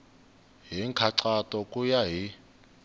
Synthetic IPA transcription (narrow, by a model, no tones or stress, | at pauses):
ɦiŋkʰaǀatʼɔkʼujaɦi